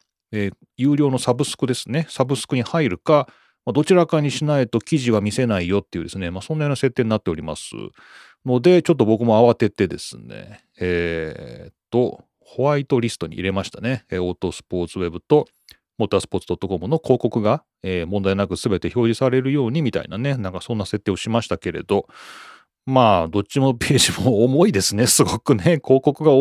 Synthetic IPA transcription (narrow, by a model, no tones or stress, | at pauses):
eː | jɨ̟ːɾʲo̞ːno̞sabɯ̟sɨ̥kɯ̟d̪e̞sɨ̥ne̞sabɯ̟sɨ̥kɯ̟ɲ̟ihaiɾɯ̟ka | mad̪o̞t͡ɕiɾakaɲ̟iɕinait̪o̞kʲiʑiβamʲise̞naijo̞t̪ːe̞jiɯ̟d̪e̞sɨne̞maso̞nːajonase̞t̪ːe̞ːɲ̟inat̪ːe̞oɾʲima̰sɨ̰ | no̞d̪e̞t͡ɕo̞t̪̬ːo̞bo̞kɯ̟mo̞aβat̪e̞t̪e̞d̪e̞̰sɨ̰nḛ | t̪ːo̞ | ho̞βait̪o̞ɾʲisɨ̥t̪o̞ɲ̟ḭʔḭɾe̞maɕi̥t̪ane̞eːo̞ːt̪o̞sɨ̥po̞ːt͡sɨβe̞bɯ̟t̪o̞ | mot̪asɨ̥po̞ːt͡sɨd̪o̞t̪ːo̞ko̞mɯ̟no̞ko̞ːko̞kɯ̟ɡa | eːmõ̞nd̪ainakɯ̟sɨbe̞t̪e̞ço̞ːʑisaɾe̞ɾɯ̟jo̞ːɲ̟imʲit̪a̰ḭnane̞nãŋkasõ̞nːase̞t̪ːeo̞ɕimaɕi̥t̪ake̞ɾe̞̰d̪o̞ | maːd̪o̞t͡ɕimo̞pe̞ːʑimooːmo̞id̪e̞sɨne̞sɨɡo̞kɯ̟ne̞kʰo̞ːko̞kɯ̟ɡa